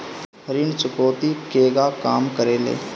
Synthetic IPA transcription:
ɾɪnt͡ʃʊkoːt̪ikeːɡakaːmkəɾeːlḛː

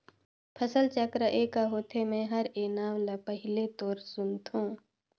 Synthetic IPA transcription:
pʰəsəlt͡ʃəkɾəʔeːkaɦoːt̪ʰemɛ̃ɦəɾeːnaːmlapəɦɪlet̪oːɾsʊnt̪ũː

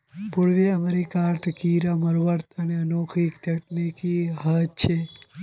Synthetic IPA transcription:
puɾʋiəmeɾikaɾt̪ʰkiɾaməɾʋəɾt̪əneənokʰikt̪jɐʈnikiɦət̪̚t͡ʃʰe

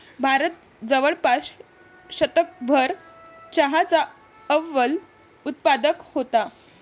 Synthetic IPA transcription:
bʱaɾət̪̚ | d͡zəʋəɭpaɕ | ɕət̪ək̚bʱəɾ | t͡ɕəɦat͡sa | əʋːəl | ut̪̚pad̪əkhot̪a

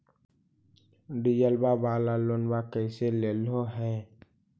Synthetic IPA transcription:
ɖijəlbabaːlalonbakəɪseleːlɦoɦɛ̃ː

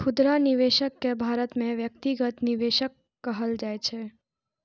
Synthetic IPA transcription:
kʰʊd̪ɾaniʋeʃəkːebʱaɾət̪mẽʋjək̚t̪iɡət̪niʋeʃəkː | əɦəld͡ʒajt͡ʃʰe

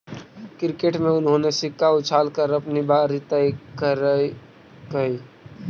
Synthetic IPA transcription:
kɪɾkeʈmẽʊnɦõnesɪkːaʊt͡ʃʰaːlkəɾɐpnibaːɾɪt̪ajkəɾ | kɐi

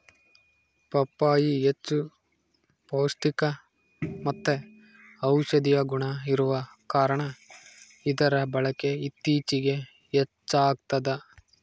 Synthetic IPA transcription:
pɐpːaːjiet͡ʃːu | poːst̪ikɐ | mɐt̪ːe | ɐwʃɐd̪ijɐɡuɳɐiɾuʋɐkaːɾɐɳɐ | id̪ɐɾɐbɐɭɐke̞it̪ːiːt͡ʃiɡe̞ | et͡ʃːaːɡ̚t̪ɐd̪ɐ

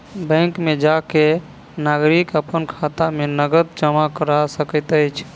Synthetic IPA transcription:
bə̃ŋkmed͡ʒake | naɡɾikəpənkʰat̪amenəɡət̪̚d͡ʒəmakəɾasəkət̪əjt͡ʃʰ

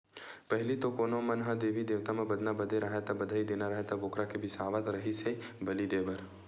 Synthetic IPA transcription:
pəɦlit̪okoːnomənɦəd̪eːbid̪eːʋt̪amẽbəd̪nabəd̪ʱeɾʔəɦet̪ɐbəd̪ʱəid̪eːnaɾəɦet̪ɐboːkɾakebʱisaːʋət̪ɾəɦisebəlid̪eːbəɾ

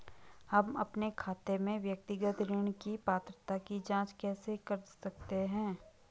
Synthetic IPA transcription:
hɐmɐpnekʰaːt̪emẽʋjək̚t̪ɪɡət̪ɾɪɳkipaːt̪ɾət̪akid͡ʒãːt͡ʃkɛːsekɐɾsɐk̚t̪eɦɛ̃ː

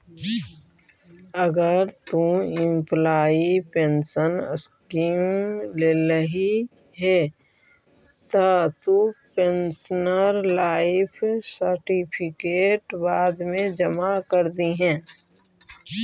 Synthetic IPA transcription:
əɡəɾt̪ũɪmplaːipẽnsənəskiːmmleləɦi | ɦɛ | t̪at̪upensənəɾlaːɪpʰsəɾʈipʰɪkeːʈbaːd̪mẽd͡ʒəmakəɾd̪iɦɛ̃ː

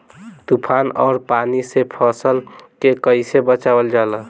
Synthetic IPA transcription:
t̪upʰaːnɔːɾpanisepʰɔsəlkekəɪsebət͡ʃawəld͡ʒalə

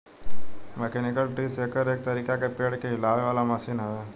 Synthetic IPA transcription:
mɛkeːnɪkəlʈɾiːseːkəɾeːk̚t̪ɐɾiːkakepeːɽkeɦɪlaːʋeʋaːlamɐsiːnɦəʋeː

